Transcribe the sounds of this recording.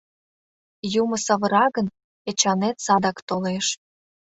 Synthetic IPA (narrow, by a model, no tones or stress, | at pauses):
jumə̆sɑβə̆ɾɑɣən | et͡ɕɑnet̪sɑd̪ɑkt̪oleʃ